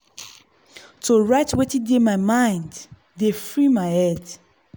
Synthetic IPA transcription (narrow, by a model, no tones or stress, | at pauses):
toɹaɪtwetidemaɪmãɪ̃nd | defɹimaɪɛd